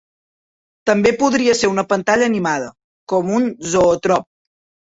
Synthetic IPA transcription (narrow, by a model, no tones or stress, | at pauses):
t̪əmbepuðɾiəseɾunəpənt̪aʎəːnimað̞ə | kɔmunzoːt̪ɾɔp̚